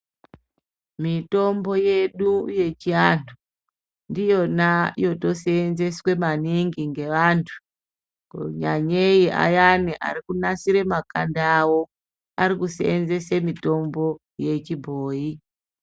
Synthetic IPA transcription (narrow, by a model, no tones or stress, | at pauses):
mito̞mbo̞je̞ɗuje̞t͡ʃiantʰu | ndijo̞najo̞to̞seːnze̞swe̞maniŋɡiŋɡe̞ʋaːntʰu̥ | koɲaɲeiʔa̰janiʔa̰ɾikunasiɾe̞makandawo̞ | aɾikusḛenze̞semito̞mbo̞ | je̞t͡ʃibʱoːi